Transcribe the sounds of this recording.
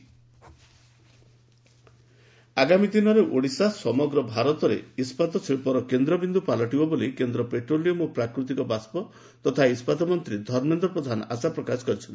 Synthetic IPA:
aɡamid̪inɔɾeʔoɽisasɔmɔɡɾɔbʱaɾɔt̪ɔɾḛispat̪ɔt͡ʃʰepɔɾɔkend̪ɾɔbind̪upalɔʈibɔbolikend̪ɾɔpeʈɾolijomopɾakɾut̪̬ikɔbaspɔ | t̪ɔt̪ʰaispat̪ɔmɔnt̪ɾid̪ʱɔɾmend̪ɔpɾɔd̪ʱanɔʔasapɾɔkasɔ̥kɔɾit͡ʃʰɔnt̪i

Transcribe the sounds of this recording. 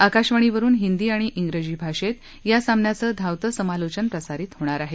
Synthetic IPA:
akaɕʋəɳ̃iʋəɾuːnɦind̪iːaɽ̃iʔiŋɡɾəd͡ʑiːbʱaʂet̪ | jasamnjat͡səːd̪ʱawt̪əsəmalot͡ɕənpɾəsaɾiːt̪ɦoɽ̃aɾaɦe

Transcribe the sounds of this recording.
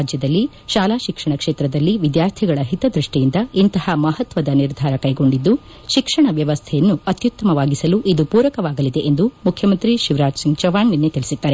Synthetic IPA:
d͡ʒjɐd̪ɐlːi | ʃaːlaːʃikʂɐɳɐkʂeːt̪ɾɐd̪ɐlːiʋid̪jaːɾt̪ʰiɡɐɭɐɦit̪ɐd̪ɾiʂʈijind̪ɐint̪ɐhɐmɐɦɐt̪ʋɐd̪ɐniɾd̪ʱaːɾɐkɐjɡo̞ɳɖid̪ːu | ʃikʂɐɳɐʋjɐʋɐst̪ʰɛjɐnːuɐt̪jut̪ːɐmɐʋaːɡisɐluʔid̪upuːɾɐkɐʋaːɡɐlid̪e̞ʔend̪umukʰːjɐmɐnt̪ɾiʃiʋɾaːd͡ʒsiŋɡd͡ʒɐʋaːɳjɐnːet̪ilisid̪ːaːɾe

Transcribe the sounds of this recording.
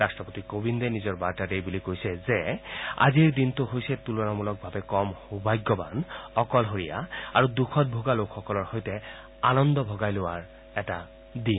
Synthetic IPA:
astɔpotikobindɛnizɔɹbaɹtadejbulikojsɛzɛa̰ziɹdintʊɦojsɛtulɔɹamulɔk̚bʱabɛkɔmhubajɡːɔba̰nɔkɔlɦoɹija̰a̰ɹudukʰɔt̚bʱoɡalokʰxɔkɔlɔɹhojtɛ | anɔndɔbʱɔɡajlowaɹ | ɛta | din

